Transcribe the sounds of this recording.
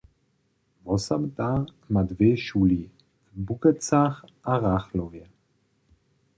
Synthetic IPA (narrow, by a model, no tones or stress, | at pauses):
vɔsamt̪aʁ | mad̪veːʃuli | bukət͡saχaʁaχlovjɛ